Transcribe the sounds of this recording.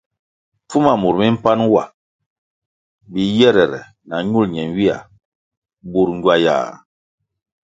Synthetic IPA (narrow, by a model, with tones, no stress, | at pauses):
fu˦ma˨mu˨ɾmi˦m̩˦pa˦nwa̰˨ | bi˨jɛ˦ɾɛ˨ɾɛ̰˨ | na˨ɲu˦˨lɲɛ˨nwi˦a̰˨ | bu˦ɾɲ˦ɟwa˦ja̰ː˨